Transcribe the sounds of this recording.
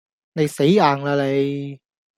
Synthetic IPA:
ne˨˧jse˨˥jaː˨˩ŋlaː˧le˨˧j

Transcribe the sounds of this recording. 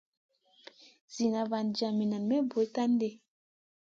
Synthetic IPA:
z̥i˨na˨va˨nd͡ʒa˨mi˨na˨nme˦bo˨˦jta˦n˦de˦˨

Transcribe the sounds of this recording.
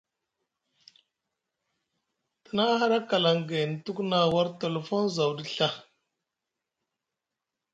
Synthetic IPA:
tə˨na˦ɦa˦ɾa˦ka˨la˨ŋɡe˨n˨tu˦kna˦wa˦ɾte˨lo˨fo˦nza˨wdi˦ɬa˦

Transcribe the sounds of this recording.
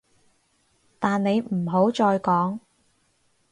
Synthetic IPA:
t̪aː˨nne˨˧jm̩˨˩ɦo˨˥wt͡ʃɔː˧jkɔː˨˥ŋ

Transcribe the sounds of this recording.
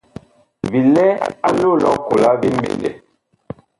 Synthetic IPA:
vi˨lɛ˦a˦lo˦lɔ˦ko˨la˦vi˦m˦bḛ˨ndḛ˨

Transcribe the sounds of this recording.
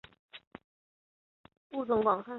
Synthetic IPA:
u˥˩t͡sʊ˧˥ŋkwɑ˨˩ŋsa˥˩

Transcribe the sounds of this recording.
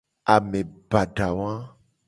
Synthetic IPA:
a˨mẽ˨ba˨ɖa˨wã˦

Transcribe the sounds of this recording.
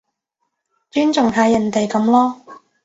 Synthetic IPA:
t͡ʃyː˥nt͡sʊ˨ŋt̪ɐː˨˥jɐ˨˩nt̪e˨jkɐ˨˥mlɔː˥

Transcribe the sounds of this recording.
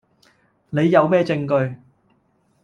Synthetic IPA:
ne˨˧jːɐ˨˧wmɛː˥t͡sɪ˧ŋkɵ˧ɥ

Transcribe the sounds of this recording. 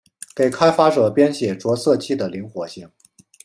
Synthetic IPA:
ke˨˩ɪkʰa˥ɪfa˥ʈ͡ʂɤ˨˩pjɛ˥nɕjɛ˨˩ʈ͡ʂwɔ˧˥sɤ˥˧t͡ɕʰi˥˩d̪ə˩li˧˥ŋxwɔ˧˥ɕi˥˩ŋ

